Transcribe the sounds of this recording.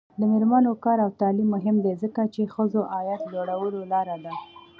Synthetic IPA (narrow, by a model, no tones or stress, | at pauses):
d̪əmeɾmanokɑɾawt̪ɑlimːʊɦɪmd̪ezəkat͡ʃexəzoʔɑjat̪loɽawəlolɑɾad̪a